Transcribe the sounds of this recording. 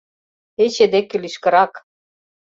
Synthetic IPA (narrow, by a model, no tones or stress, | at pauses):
et͡ɕed̪ekʲːɘ̆liʃkɤ̆ɾɑk